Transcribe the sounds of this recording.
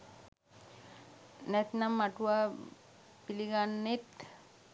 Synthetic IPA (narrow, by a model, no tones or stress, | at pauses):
nɛt̪namːaʈuʋa | piliɡanːet̪